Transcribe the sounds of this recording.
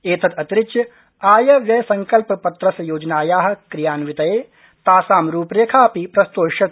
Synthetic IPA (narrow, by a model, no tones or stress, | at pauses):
eːt̪ʰɐt̪ɐt̪ɾɪt͡ʃjɐ | aːjɐʋjɐsɐ̃ŋkɐlppɐt̪ɾɐsɐjoːd͡ʒnaːjaːɦɐ̆kɾijaːnʋɪt̪ɐjeː | t̪aːsaːmɾuːpɾeːkʰaːpipɾɐst̪oːʃɐ